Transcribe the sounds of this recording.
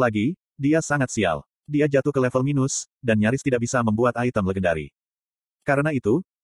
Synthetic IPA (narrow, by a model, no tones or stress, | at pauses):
laɡi | diasaŋat̪̚sia̰l | diad͡ʒat̪uhkəlɛfəlminʊs | danɲaɾɪst̪idaʔ̚bisaməmbuat̪ait̪əmləɡəndaɾḭ | kaɾənait̪u